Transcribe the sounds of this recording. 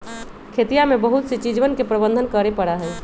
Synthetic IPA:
kʰet̪ijamẽbəɦut̪set͡ʃid͡ʒʋənkepɾəbə̃nd̪ʱənkəɾepəɽaɦɛ

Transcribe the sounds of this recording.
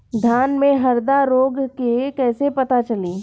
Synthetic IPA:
d̪ʱjaːnmẽɦɐɾd̪aɾoːɡkekɛːsepɐt̪at͡ʃɐliː

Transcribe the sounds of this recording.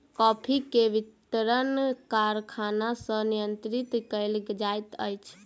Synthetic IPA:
kɔpʰikeʋit̪ɾənkaɾkʰanasə̃nijənt̪ɾit̪kəɪld͡ʒajt̪əjt͡ʃʰ

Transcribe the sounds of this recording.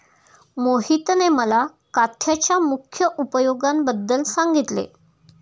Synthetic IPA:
moɦit̪neməla | kat̪ʰjat͡ɕjamukʰjəʔupəjoɡambəd̪ːəlsaŋɡit̪lḛ

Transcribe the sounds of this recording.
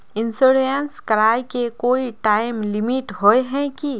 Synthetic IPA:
ɪ̃nsoɾənskɐɾaːjkekoːiʈaːɪmlɪmiʈɦoeɦɛ̃ki

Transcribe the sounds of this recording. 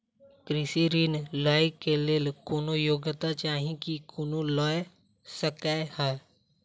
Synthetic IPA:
kɾɪsiɾiːnlaːɪkeleːlkonojoːɡət̪at͡ʃaːɦĩkikʊnolɔj | səkaha

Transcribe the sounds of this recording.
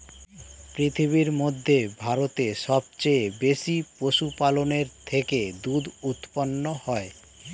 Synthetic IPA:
pɾit̪ʰiβiɾmod̪ʱːebʱaɾot̪eʃɔb̚t͡ɕejbeʃipoʃupaloneɾt̪ʰeked̪ud̪ut̪ponːohɔe

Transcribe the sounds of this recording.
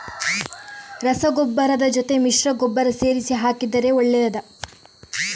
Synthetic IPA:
ɾɐsɐɡɔbːɐɾɐd̪ɐd͡ʒot̪e̞miʂɾɐɡɔbːɐɾɐse̞ːɾisiɦaːkid̪ɐɾe̞oɭːɛjɐd̪ɐ

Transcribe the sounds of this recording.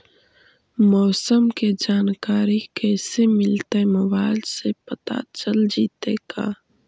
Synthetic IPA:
mɔːsəmked͡ʒaːnkaːɾikɛːsemɪlt̪emɐbaːlsepət̪a̰t͡ʃəld͡ʒiːt̪eka̰ː

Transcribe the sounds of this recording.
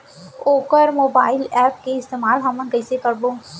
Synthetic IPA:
oːkəɾmoːbaːɪlɛːp̚keɪst̪eːmaːlɦɐmə̃nkɛːsekɐɾboː

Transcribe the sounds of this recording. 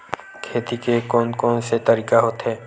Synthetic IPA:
kʰeːt̪ikekɔːnkɔːnset̪əɾiːkaɦot̪ɦɛː

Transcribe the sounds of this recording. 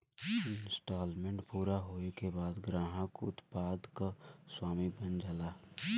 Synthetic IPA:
nsʈaːlmẽɳʈpuːɾaɦoːekebaːd̪ɡɾãːɦãkoʊt̪paːd̪kaswaːmibənd͡ʒalaː

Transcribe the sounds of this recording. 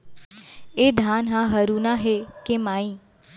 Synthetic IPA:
ed̪ʱaːnɦãɦəɾuːnaɦekemaːĩː

